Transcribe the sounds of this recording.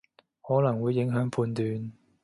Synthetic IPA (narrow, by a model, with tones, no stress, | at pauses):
hɔː˨˥lɐ˨˩ŋwuː˨˧jːɪ˨˥ŋɦœː˨˥ŋpʰuː˧nt̪yː˨˧n